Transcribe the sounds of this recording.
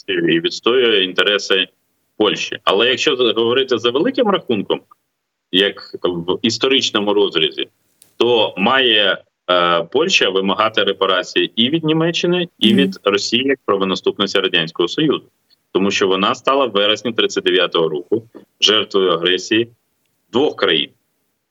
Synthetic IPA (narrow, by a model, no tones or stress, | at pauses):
jiʋʲid̪st̪ɔjʊjint̪eɾɛsɪ | pɔlʲʃt͡ʃḭɐ̰lˠɛjɐkʃt͡ʃɔɦɔʋɔɾɪt̪ɪzɐʋelˠɪkɪmɾɐxunkɔm | jɐkʋist̪ɔɾɪt͡ʃnɔmʊɾɔzɾʲɐzʲḭ | t̪ɔmɑjɛ | pɔlʲʃɐʋɪmɐɦɑt̪ɪɾepɐɾɑt͡sʲijiʔiʋʲid̪̚nʲimɛt͡ʃːɪnɪiʋʲid̪rɔsʲijijɐk̚pɾɐʋɔnɐst̪upnɔsʲtʲiɾɐdʲanʲsʲkɔɦɔsɔjuzʊ | t̪ɔmuʃt͡ʃɔʋɔnɑst̪ɑlˠɐʋʋɛɾesʲnʲit̪ɾɪt͡s̪ʲsʲːɐt̚ʲd̪eʋjat̪ɔɦɔɾɔkʊ | ʒɛrt̪ʋɔjʊɐɦɾɛsʲiji | d̪ʋɔxkɾɐjḭn